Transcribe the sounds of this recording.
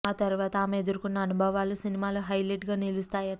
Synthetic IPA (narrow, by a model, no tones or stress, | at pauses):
aːt̪ɐɾuʋaːt̪ɐaːmeed̪uɾukunːɐːnubʱɐʋaːlusinimaːloːɦɐjleʈɡaːnilust̪aːjɐ